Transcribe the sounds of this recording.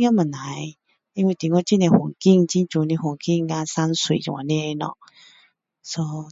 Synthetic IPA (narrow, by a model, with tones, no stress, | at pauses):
ja˦mə˨˩nna˨˦j | i˦nwi˧˨t̪i˨ŋɔ˦t͡ɕi˦˧˨ne˧hwu˨˩ŋki˥˧˨ŋt͡ɕi˦nt͡ɕũ˧˦nĩ˧ɦwu˨˩˨ŋki˥˧˨ŋɡã˧˦sa˦nswḭ˨j̰̃a˨nĩ˦e˧nɔ̰˨ | sɔ˧˦